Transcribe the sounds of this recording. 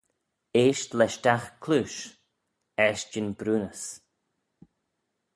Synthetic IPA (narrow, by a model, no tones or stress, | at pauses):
eːʃtlɛʃt̪axkʰluːʃ | ɛʃd͡ʒɪnbɾuːnəs